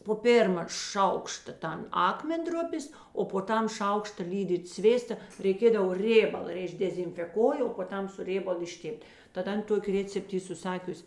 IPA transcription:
poː ˈpʲeːrmɐ ˈʃɐʊkʃtɐ ˈtɐn ˈɑːkmʲɛnˌdrʊpʲeːs oː poː ˈtɐm ˈʃɐʊkʃtɐ ˈlʲiːdʲiːt ˈsʲʋʲeːstɐ rʲɛɪˈkʲeːdɐʋoː ˈrʲeːbɐlˠɐ ɪr ɪʒʲdʲɛzʲɪnʲfʲɛˈkoːjɪ oː poː ˈtɐm sʊ ˈrʲeːbɐlˠʊ ɪʃʲˈtʲeːpʲtʲ tɐt ˈɐn ˈtoːkʲɪ ˈrʲeːt͡sʲɛpt ˈiː sʊˈsɑːkʲʊsʲ

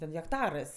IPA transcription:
tʲɛn ɣʲɛkˈtɑːrɜs

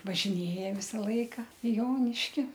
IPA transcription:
ʋɐʒʲɪˈnʲeːjɛ ˈʋʲɪsɐ ˈlˠɐɪkɐ ɪ ˈjoːnʲɪʃʲkʲɪ

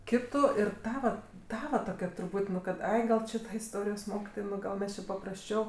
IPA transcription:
ˈkʲɪtʊ ɪr ˈtɑːʋɐ ˈtɑːʋɐ toːˈkʲɛ trʊˈpʊtʲ nʊ ˈkɐt ˈɐɪ ɡɐlˠ ˈt͡ʃʲɪ ˈtɐ ɪsˈtoːrʲɪjoːs ˈmoːkʲɪtoːj ˈɡɐlˠ mʲɛs t͡ʃʲɪ pɐprɐsʲˈt͡ʃʲɛʊ

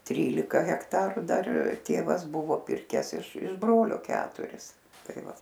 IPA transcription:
ˈtʲrʲiːlʲɪkɐ ɣʲɛkˈtɑːrʊ ˈdɐr ˈtʲeːʋɐs ˈbʊʋoː ˈpʲɪrʲkʲɛs ɪʃ ɪʃ ˈbroːlʲoː ˈkʲæːtʊrʲɪs ˈtɐɪ ˈʋɐ

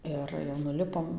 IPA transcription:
ˈɪr jɛʊ nʊˈlʲɪpoːm

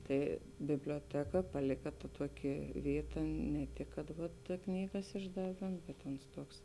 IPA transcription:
ˈtɐɪ bʲɪbʲlʲoːˈtʲæːkɐ pɐˈlʲɪkɐ tɐ ˈtuɔˌkʲɪ ˈʋʲiːˌtɐ nʲɛ ˈtʲɪk kɐt tɐ ˈknʲiːɡɐs ɪʒdɐˈʋʲeːm bʲɛt oːns ˈtuɔks

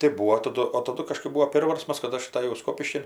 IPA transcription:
tɐɪ ˈbuːoː tɐˈdʊ oː tɐˈdʊ kɐˈʃkɜp ˈbuːoː ˈpʲeːrʋɐrsmɐs kɐt ˈɐʃ ɐtɐˈjɛʊ ˈskoːpʲɪʃʲkʲɪn

